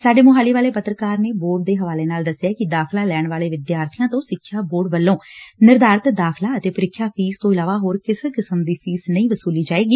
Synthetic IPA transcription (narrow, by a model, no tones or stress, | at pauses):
saːɖeːmʊɦaːliːʋaːleːpət̪ɾəkaːɾneːboːɖ̚d̪eːɦəʋaːleːnaːld̪əsːjaːkɪd̪aːkʰlaːlɛːɳʋaːleːʋɪd̪jaːɾt̪ʰɪjãːt̪õːsɪkʰːjaːboːɖʋəlːõːnɪɾd̪aːɾət̪d̪aːkʰlaːət̪eːpəɾɪkʰːjaːpʰiːst̪õːɪlaːʋaːɦoːɾkɪsekɪsəmd̪iːpʰiːznəĩːʋəsuːliːd͡ʒaːeːɡiː